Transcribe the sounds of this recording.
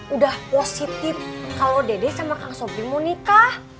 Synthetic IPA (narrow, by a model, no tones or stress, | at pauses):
udahposit̪ɪfkalowdedɛsamakaŋsopimunikah